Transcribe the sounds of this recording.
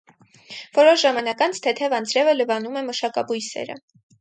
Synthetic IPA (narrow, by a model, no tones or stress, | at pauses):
v̥ɔɾɔʃʒɑmɑnɑkɑnt͡sʰt̪ʰɛt̪ʰɛvɑnt͡sʰɾɛvələvɑnumɛməʃɑkɑbujsɛ̰ɾə̰